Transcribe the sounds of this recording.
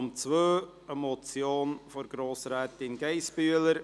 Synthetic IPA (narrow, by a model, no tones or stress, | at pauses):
mt͡sʋøː | əmɔt͡sjoːnfɔɾɡɾoːsɾɛːtɪnɡɛɪsbyələɾ